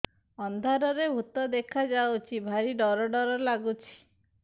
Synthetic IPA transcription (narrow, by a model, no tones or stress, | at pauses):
ɔnd̪ʱaɾɔɾebʱut̪ɔd̪ekʰad͡ʒawt͡ʃʰibʱaɾiɖɔɾɔɖɔɾɔlaɡut͡ʃʰi̥